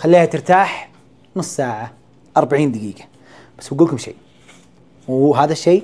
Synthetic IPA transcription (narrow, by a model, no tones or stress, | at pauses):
xalːiːhat̪ɪɾt̪aːħ | nʊsːˤsaːʕa | ʔɑɾˤbaʕiːnd̪ɪɡiːɡḁ | bḁsːwɪɡulkʊmʃḛː | wɦaːðaʃːeː